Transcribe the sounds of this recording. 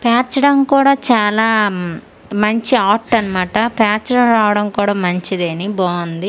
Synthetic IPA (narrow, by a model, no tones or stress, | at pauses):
pjaːt͡ʃɐɽɐmkuːɽaːt͡ʃaːlaː | mɐɲt͡ʃiaːʈːɐnɐmaːʈɐpjaːt͡ʃɐɾɐmɾaːʋɐɽɐmkuːɽaːmɐɲt͡ʃid̪eːniboːund̪i